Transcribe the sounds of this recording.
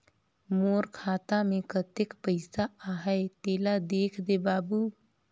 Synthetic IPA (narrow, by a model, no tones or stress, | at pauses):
moːɾkʰaːt̪amẽkət̪ɪkpəɪsaaɦɛet̪eːlad̪eːkʰd̪ebaːbu